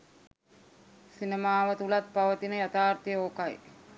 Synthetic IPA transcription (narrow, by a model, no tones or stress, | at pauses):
sinəmaːʋət̪ulat̪̚paʋət̪inəjat̪aːrt̪ijoːkaj